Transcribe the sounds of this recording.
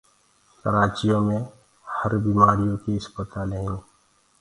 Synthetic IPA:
kəɾaːt͡ʃijõmẽ | həɾbimaːɾijõkiɐspət̪aːlẽĩː

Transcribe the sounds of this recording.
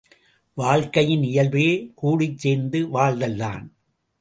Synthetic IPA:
ʋaːɭkɐjɪnɪjɐlʋeːkuːɽɪt͡ʃːeːnd̪ɯʋaːɭðɐlːa̰ːn

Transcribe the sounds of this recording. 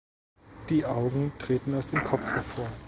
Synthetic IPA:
d̥iːʔaʊɡŋ̩tʁ̥eːtn̩aʊsd̥eːmkʰɔp͡ffhɛɐfoːɐ

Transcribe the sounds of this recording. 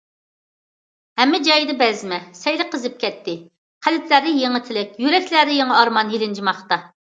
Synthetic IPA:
hɛmːɪd͡ʒɑjd̪ɨbɛzmɛsɛjlɨqʰəzɨp̚kʲʰɛt̪ʰːɪ | qʰælɪt̪læd̪ɪjeŋɨt̪ʰɪlɪkʲjyɾɛkʲlæɾɪjeŋɨɑɾmɑnjelɪnd͡ʒimɑχt̪ɑ

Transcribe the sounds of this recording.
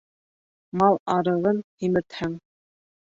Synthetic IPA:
mɑlˠɑɾɤ̆ʁɤnhimɘ̆t̪hæŋ

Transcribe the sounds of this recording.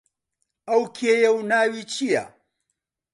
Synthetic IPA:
ɐwkʰeːjɐwnaːwiːt͡ʃʰijɐ̰

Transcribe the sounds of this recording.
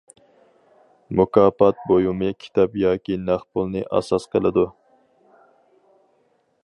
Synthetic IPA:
mukɑːpɑt̪̚bojumɨkʲʰi̥t̪ʰɑpjɑːkʲinɑχpʊlˠnɨʔæ̰sɑsqʰəlˠɨd̪u

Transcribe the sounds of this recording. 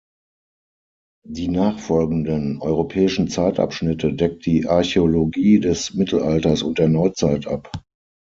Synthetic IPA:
d̥iːnaːχfɔlɡn̩dənʔɔʏʁopʰɛːɪʃn̩t͡saɪtʔa̰pʃnɪtʰədɛk̚t̚d̥iːʔaɐçeoloɡiːdɛsmɪtʰl̩ʔaltɐsʊnt̚d̥eːɐnɔʏt͡saɪtʔap

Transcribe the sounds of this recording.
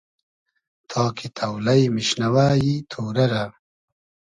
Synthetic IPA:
t̪ʰɑːkʰit̪ʰɐwlɐjmiɕnɐwaːjit̪ʰoːɾɐɾa

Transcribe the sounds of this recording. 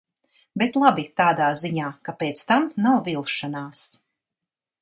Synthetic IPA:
bet̪lˠabit̪aːd̪aːziɲaːkapeːt̪st̪amnawvilˠʃanaːs

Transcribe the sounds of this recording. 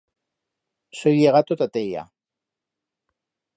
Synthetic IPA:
sojjeɣat̪ot̪at̪eja̰

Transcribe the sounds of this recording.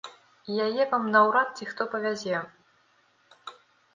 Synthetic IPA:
ijajɛvamnɐwɾat̪̚t͡sʲixt̪ɔpɐvʲazʲɛ

